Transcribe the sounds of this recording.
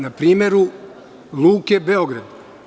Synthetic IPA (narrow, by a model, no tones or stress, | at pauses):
napɾiːme̞ɾu | lˠuːke̞be̞o̞ɡɾad̪